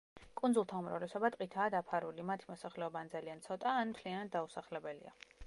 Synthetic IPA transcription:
kʼund̪zulˠt̪ʰaumɾa̰vlɛsɔbat̪ʼqʼit̪ʰaːd̪apʰaɾulimat̪ʰimɔsaχlɛɔband̪zaliant̪sʰɔt̪ʼaːnmt̪ʰlianad̪̚d̪ausaχlɛbɛlḭa̰

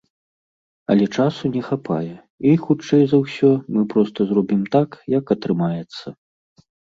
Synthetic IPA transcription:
ɐ̰lʲɛt͡ʂasunʲɛxapʰa̰jɛ | ixut͡ʂɛjzɐwsʲɔmɨpɾɔst̪ɐzɾɔbʲimt̪akjɐkɐt̪ɾɨmajɛt̪sːɐ

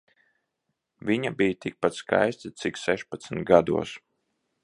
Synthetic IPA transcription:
viɲabijt̪ik̚pat̪ska̰jst̪ʲit̪siksɛʃpat̪snʲt̪ɡad̪ṵɔs

